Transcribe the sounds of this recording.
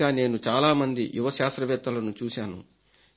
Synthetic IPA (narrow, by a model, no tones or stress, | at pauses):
aːne̞ːnut͡ʃaːlaːmɐnd̪ḭjuʋɐʃaːst̪ɾɐʋɛt̪ːɐlɐnut͡ʃuːsaːnṵ